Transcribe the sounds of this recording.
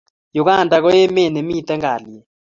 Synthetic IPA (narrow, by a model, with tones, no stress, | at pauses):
jʊ˨ka˦˨nda˨kɔ˦jɛ˦me˦˨nɛ˨mi˦t̪ɛ˦ŋɡa̰˨ljɛ˨